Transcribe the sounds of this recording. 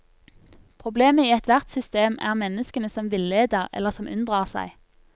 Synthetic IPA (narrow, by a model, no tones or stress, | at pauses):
pʰʁʊbleːməiːɛt̪ʰʋæʁt̪sʏst̪eːmæ̰ːʁmɛnəskənəsɔmʋɪlːeːd̪əʁɛ̰ləʁsɔmʔʉ̰nd̪ʁɑːʁsæ̰ɪ